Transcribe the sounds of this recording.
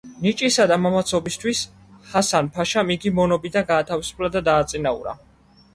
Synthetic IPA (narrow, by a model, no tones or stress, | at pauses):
nit͡ʃʼisad̪amamat̪sʰɔbist̪ʰwis | hasanpʰaʃamiɡimɔnɔbid̪anɡaːt̪ʰavisu̥pʰlˠad̪ad̪aːt̪sʼinaṵɾa̰